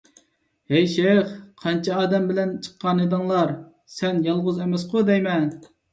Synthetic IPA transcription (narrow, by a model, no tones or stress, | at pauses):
hɛjʃeχqʰɑnt͡ʃʰɛɑːd̪ɛmbɪlɛnt͡ʃʰə̥qːɑnɨd̪ɨŋlˠɑɾ | sɛnjɑlˠʁʊzɛmɛsqʰʊd̪ɛjmɛn